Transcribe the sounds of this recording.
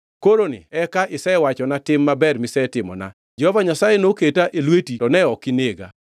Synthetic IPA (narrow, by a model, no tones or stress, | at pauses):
koɾonɪ̰ɛkaʔɪsɛwat͡ʃɔnatɪmːabɛrmɪsɛtɪmɔ̰na̰ | d͡ʒɛhɔvaɲasajenoketaʔelwetitɔnɛɔkɪneɡa̰